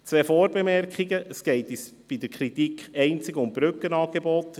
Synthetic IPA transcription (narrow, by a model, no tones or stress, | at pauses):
t͡sʋɛːfoːɾbemɛrkχiɡəʔəsɡ̥ɛɪtis | b̥id̪əɾkʰɾit̪ikχɛɪnt͡sɪɡʊmb̥ɾʏkːənɑːɡ̥ebɔt̪